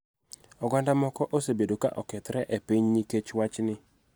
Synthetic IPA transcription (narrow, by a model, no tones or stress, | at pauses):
ɔɡandamɔkɔʔosebedoka̰ʔɔkɛt̪ɾɛʔepiɲniket͡ʃwat͡ʃnɪ